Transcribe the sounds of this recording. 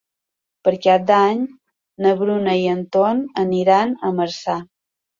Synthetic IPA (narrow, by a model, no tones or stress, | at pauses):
pəɾkap̚d̪aɲ | nəβɾunəiənt̪onəniɾanəməɾsa